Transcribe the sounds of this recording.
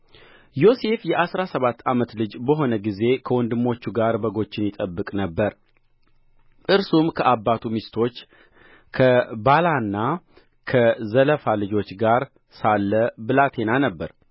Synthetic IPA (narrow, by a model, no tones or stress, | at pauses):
jo̞se̞fjɛʔasɾasəβat̪ːamət̪lɨd͡ʒbəɦo̞nəɡize̞kʰəwɔnd̪ɨmːo̞t͡ʃːuɡaɾbəɡo̞t͡ʃːɪnjɪt̪ʼəbːɨkʼnəbːəɾ | ʔɨɾsumkʰəʔabːat̪ʰumist̪ʰo̞t͡ʃː | kʰəbalanːa | kʰəzələfalɨd͡ʒo̞t͡ʃːɡaɾ | salːəbɨlat̪ʰe̞nanəbːəɾ